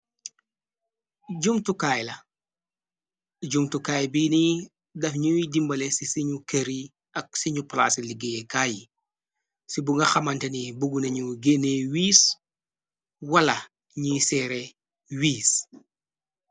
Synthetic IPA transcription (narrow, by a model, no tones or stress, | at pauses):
ɟumtukaːjlɐ | ɟumtukaːjbiːni | dɐfɲuidimbɐlɛsisiɲukɐɾi | ɐk̚siɲupla̰ːsiliɡekaːji | sibuŋɡɐxɐmɐntɐnibuɡunɐɲuɡenewiːs | wɐlɐ | ɲisɛɾe | wiːs